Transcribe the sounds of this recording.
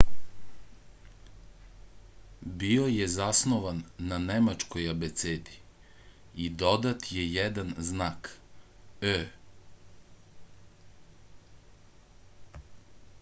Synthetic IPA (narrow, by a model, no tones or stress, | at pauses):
biojezasnoʋanːanemat͡ʃkojabet̪seːd̪i | id̪o̞d̪at̪jejɛd̪anznaːk | ø